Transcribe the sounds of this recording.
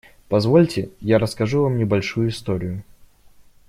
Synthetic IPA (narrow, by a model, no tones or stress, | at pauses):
pɐzvolʲtʲɪjaɾəskɐʐuvamnʲɪbɐlʲʂujʊist̪oɾʲɪjʊ